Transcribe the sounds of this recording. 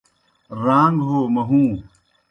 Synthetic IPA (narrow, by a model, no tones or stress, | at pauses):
ɾãːŋɡɦoːmɐɦũː